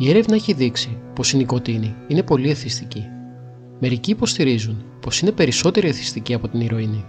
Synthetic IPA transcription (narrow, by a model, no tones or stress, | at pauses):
ie̞ɾe̞vnɐeçiðiksipo̞siniko̞t̪iniine̞po̞lie̞θist̪ici | me̞ɾiciːpo̞st̪iɾizunpo̞sine̞pe̞ɾiso̞t̪e̞ɾieθi̥st̪iciɐpo̞t̪iniɾo̞ini